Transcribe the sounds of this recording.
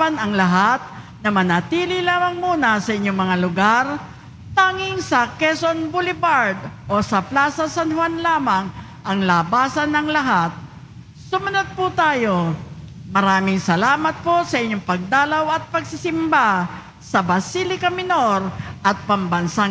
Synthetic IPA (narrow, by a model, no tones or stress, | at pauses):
pɐnɐŋlɐɦat̪̚ | nɐmɐnɐt̪iːlɪlaːmɐŋmuːnɐsɐʔɪɲːoŋmɐŋalʊɡaɾ | t̪aːŋɪŋsɐkɛsonbulɪbaɾd̪ʔosɐplaːsɐsɐnhwanlaːmɐŋ | ʔɐŋlabaːsɐnɐŋlɐɦat̪̚ | sʊmɐnod̪̚pʊt̪aːjo̞ | mɐɾaːmɪŋsɐlaːmɐt̪̚posɐʔɪɲːoŋpɐɡ̚d̪aːlɐwɐt̪̚pɐɡsɪsɪmba | sɐbɐsilɪkɐmɪno̞ɾʔɐt̪̚pɐmbɐnsa